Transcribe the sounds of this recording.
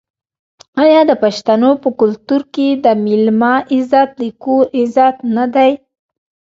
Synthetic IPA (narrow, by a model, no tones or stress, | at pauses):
ɑjɑd̪əpaʃt̪anopəkʊlt̪uɾked̪əmɪlmɑʔɪzɑt̪likuʔɪzɑt̪nad̪aj